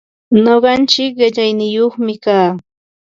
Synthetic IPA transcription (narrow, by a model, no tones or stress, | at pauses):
noɢɑnt͡ʃɪkɢɪʎajnɪjoχmɪkaː